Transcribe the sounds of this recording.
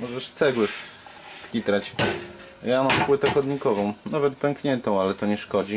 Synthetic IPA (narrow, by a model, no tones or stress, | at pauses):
mɔʐɛʂt̪sɛɡwɘ | fkʲit̪ɾat͡ɕ | jamampwɘt̪ɛxɔd̪ɲikɔvɔ̃w̃navɛt̪pɛŋkɲɛnt̪ɔ̃w̃alɛt̪ɔɲɛʂkɔd͡ʑi